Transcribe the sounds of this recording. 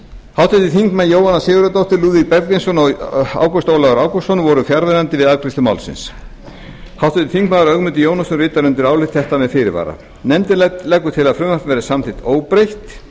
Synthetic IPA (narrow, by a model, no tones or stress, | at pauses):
hawt̪ɛt̪ːɪθiŋkmajoːwanːasɪːɣʏɾat̪owht̪ɪɾluːðik̚pɛɾk̪ɪnsɔnɔa̰ːwkɔst̪owlaɣaɾaːwkɔsɔnvɔɾʏfjaɾvɪɾant̪ɪvɪðakɾɪsʏma̰wlsɪ̰ns | hawht̪ʰʏt̪ɪ̥θiŋkmaðaɾœɣmʏnt̪ɪjoːwnasʏrɪːt̪aɾʏnt̪ɪɾaːwlɪt̪θɛht̪amɛðfɪːɾɪ̰va̰ːɾa̰ | nɛmt̪ɪllɛːkːʏt̪ʰɪlaðfɾʏmafvɛːɾɪsamθɪht̪oːwpɾejht̪